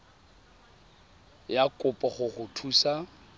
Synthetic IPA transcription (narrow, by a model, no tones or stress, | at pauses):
jakʼʊpʼɔχʊχʊtʰuːsa